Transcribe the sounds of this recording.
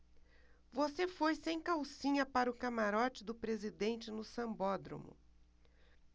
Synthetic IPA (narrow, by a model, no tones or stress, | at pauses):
vosefojsẽj̃kawsĩɲɐpaɾʊkamaɾɔt͡ʃɪd̪ʊpɾezid̪ẽnt͡ʃɪnʊsɐ̃mbɔd̪ɾõ̰mʊ̰